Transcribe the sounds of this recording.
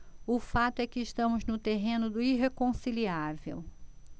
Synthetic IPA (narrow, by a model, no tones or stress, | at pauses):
ʊfat̪ʊɛkɪːʃt̪ɐ̃mʊznʊt̪eɦẽnʊd̪ʊiɦekõsiliavḛw